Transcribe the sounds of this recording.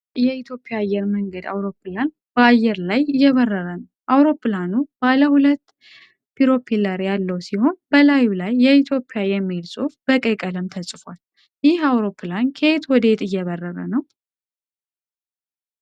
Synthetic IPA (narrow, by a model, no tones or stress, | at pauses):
jɛit̪ʰjo̞pʼːɪjaːjːɛɾməŋɡəd̪a̰wɾo̞pʰːɨlan | bəajːɛɾlajɪjːɛβərːəɾənəwʔawɾo̞pːlanub̥aləhulət̪ː | pʰiɾo̞pʰiləɾjalːəwsiho̞nbəlajulajːɛit̪ʰjo̞pʼːɪjajɛmːelsʼofb̥əkʼəkʼələmt̪ʰəsʼfwal | jɪhawɾo̞pʰːɨlankʰəet̪wɔd̪əet̪ɨjːɛβərːəɾənəw